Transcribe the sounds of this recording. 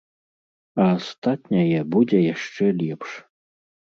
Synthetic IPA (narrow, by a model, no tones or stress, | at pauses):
ɐːst̪at̪nʲɐjɛbud͡zʲɛjaʂt͡ʂɛlʲipʂ